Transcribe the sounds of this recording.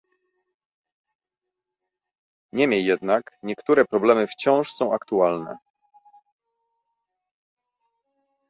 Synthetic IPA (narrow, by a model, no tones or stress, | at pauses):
ɲɛmʲjejːɛd̪nakɲɛkt̪uɾɛpɾɔblɛmɘft͡ɕɔ̃w̃ʂsɔ̃w̃akt̪ualnɛ̰